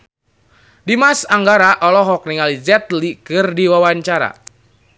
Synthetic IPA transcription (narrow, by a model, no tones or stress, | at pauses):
dimasaŋɡaɾaʔɔlɔɦɔk̚niŋalizɛt̪likɨrdiwawaɲt͡ʃaɾa̰